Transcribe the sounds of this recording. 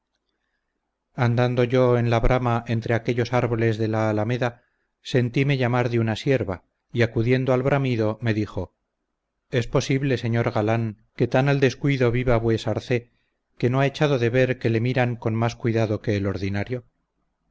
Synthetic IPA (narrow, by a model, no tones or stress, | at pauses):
and̪and̪o̞ʝo̞enlaβɾʔamaʔe̞nt̪ɾe̞ake̞ʎo̞saɾβo̞le̞zðe̞laːlameða | se̞nt̪ime̞ʎamaɾðeunasje̞ɾβa | iakuðje̞nd̪oalβɾamiðo̞me̞ðiχo̞ | e̞spo̞siβle̞se̞ɲo̞ɾɣalaŋke̞t̪anald̪e̞skwiðo̞βiβaβwe̞saɾθe̞ | ke̞no̞ae̞t͡ʃaðo̞ðe̞βe̞ɾke̞le̞miɾaŋko̞nmaskwiðaðo̞ke̞ːlo̞ɾðinaɾjo̞